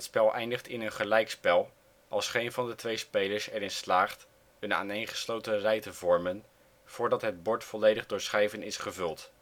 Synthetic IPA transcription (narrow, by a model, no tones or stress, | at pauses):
ətspɛlˠʔɛ̰jndəχtɪnənχəlɛjkspɛlˠ | ʔɑlˠsχejnvɑndətʋejspejləɹsɛɾɪnslaːχt | əna̰ːnejnχə̥slowtərɛjtəvɔɹmən | v̥ʊːɹdɑtɦəd̚bɔɹtfɔlejdəχdʊːɹsχɛjvənɪsχəvɵlˠt